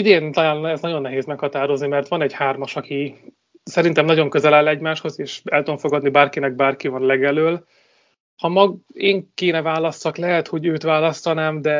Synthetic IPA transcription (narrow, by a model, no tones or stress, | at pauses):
id̪eːnt̪ɒlaːlnɛznɒɟo̞nːɛɦeːzmɛkhɒt̪aːɾo̞znimɛrt̪ʋɒnɛɟhaːrmɒʃɒki | sɛɾint̪ɛmnɒɟo̞ŋkø̞zɛlaːlɛɟmaːʃho̞zeːʃɛlt̪ud̪oɱfo̞ɡɒd̪nibaːrkinɛɡ̚baːrkivɒnlɛɡɛløːl | hɒmɒɡeːŋkeːnɛvaːlɒst̪ɒklɛɦɛt̪ho̞ɟøːt̪ʋaːlɒst̪ɒnaːmd̪ɛ